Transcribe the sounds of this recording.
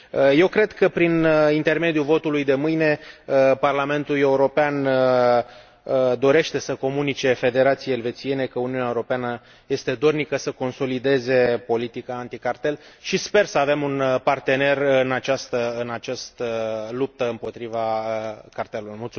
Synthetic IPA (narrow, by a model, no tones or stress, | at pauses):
əje̞wkɾe̞d̪kəpɾinint̪e̞rme̞d̪juvo̞t̪ulujd̪e̞mɨjne̞əparlame̞nt̪ule̞uɾo̞pean | əd̪o̞ɾe̞ʃt̪e̞səko̞munit͡ʃe̞fe̞d̪e̞ɾat̪sijeelve̞t̪sije̞ne̞kəuniuneaeuɾo̞peanə | je̞st̪e̞d̪o̞rnikəsəko̞nso̞lid̪e̞ze̞po̞lit̪ikaːnt̪ikart̪e̞lʃispe̞rsəave̞munpart̪e̞ne̞rɨnat͡ʃast̪əɨnat͡ʃast̪əlup̚t̪əɨmpo̞t̪ɾivakart̪e̞lulmult̪su